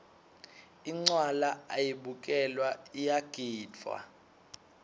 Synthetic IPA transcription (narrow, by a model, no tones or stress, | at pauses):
iŋ͡ǀwalaajiɓukʼɛlwaijaɡ̥ʱiːda̰